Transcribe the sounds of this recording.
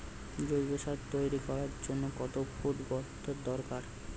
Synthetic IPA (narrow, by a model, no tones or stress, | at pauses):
d͡ʑojbeʃad̪t̪ojɾikɔɾaɾd͡ʑonːokɔt̪obud̪bɔt̪ʰːod̪ɔɾkaɾ